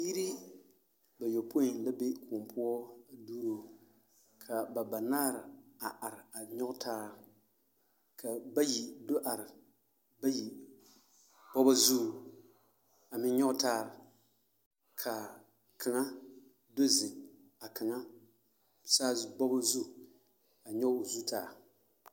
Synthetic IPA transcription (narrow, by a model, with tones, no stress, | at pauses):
ji˦ɾi˦ | ba˨jo˨po˦i˨nla˦be˦kʰʊː˨mpʊ˦ɔ˦duː˦ɾo˨ | kʰa˨ba˨ba˨naː˦ɾɪ˨a˨ʔa˨ɾɪ˨a˨ɲɔ˦ɡʊ˦tʰaː˦ɾ | kʰa˨ba˦ji˨do˦ʔa˨ɾɪ˨ | ba˦ji˨ | bɔ˦ba˦zu˦˨ | a˨mɪ˦ɲɔ˦ʔʊ˦taː˦ɾ | kʰa˨ | kʰa˨ŋa˦ | do˦zɪ˨ | a˨ka˨ŋa˦˨ | saː˦bɔ˦ba˦zu˦˨ | a˨ɲɛ˦˨zu˦taː˦˨